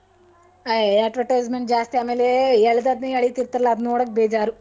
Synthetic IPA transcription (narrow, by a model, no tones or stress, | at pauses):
ɐeɐʈʋɐʈɐzmend͡ʒaːst̪iaːmeːleɛɭd̪ɐd̪nɐjɐɭit̪iɾt̪ɐɾɐlaɐd̪noːɽɐk̚beːd͡ʒaːɾu